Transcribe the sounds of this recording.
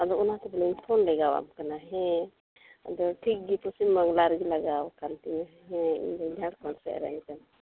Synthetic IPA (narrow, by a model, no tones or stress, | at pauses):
ad̪ɔunat̪ɛbɔlɔipʰɔnlɛɡawa̰mkanaɦɛ̃ | a̰d̪ɔʈʰik̚ɡipɔsimːaŋɡlaɾɡilaɡawkant̪imɛɦɛ̃ḭnd̪ɔd͡ʒʱaɽkɔnsɛ̰ʔɾɛ̰nkan